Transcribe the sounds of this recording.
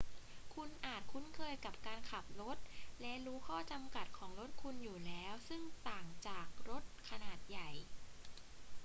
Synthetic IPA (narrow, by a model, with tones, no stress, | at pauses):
kʰu˧nʔaː˨˩t̪̚kʰu˦˥nkʰɤː˧jka˨˩p̚kaː˧nkʰa˨˩p̚ɾo˦˥t̪̚lɛ˦˥ɾuː˦˥kʰɔː˥˩t͡ɕa˧mka˨˩t̪̚kʰɔː˩˦ŋɾo˦˥t̪̚kʰu˧njuː˨˩lɛː˦˥wsɯ˥˩ŋt̪aː˨˩ŋt͡ɕaː˨˩k̚ɾo˦˥t̪̚kʰa˧naː˨˩t̪̚ja˨˩j